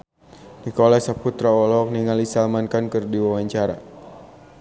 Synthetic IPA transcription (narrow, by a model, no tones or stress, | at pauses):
nikɔlasaput̪ɾaɔlɔk̚niŋalisalmankankɨrdiwawaɲt͡ʃaɾa̰